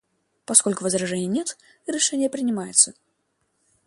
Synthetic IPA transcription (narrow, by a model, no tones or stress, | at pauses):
paskolʲkʊvɨzɾaʐɛnʲɪjənʲɛt̪ | iɾɛʂɛnʲɪjəpɾʲɪnʲɪmajɪt̪sə